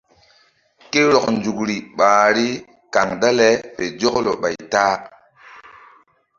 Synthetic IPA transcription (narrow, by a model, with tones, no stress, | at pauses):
ke˦ɾo˨knd͡ʒu˨kɾi˨ɓaː˨ɾi˦ | ka˨ŋda˦le˦pe˨d͡ʒo˦klo˨ɓa̰˨jtaː˦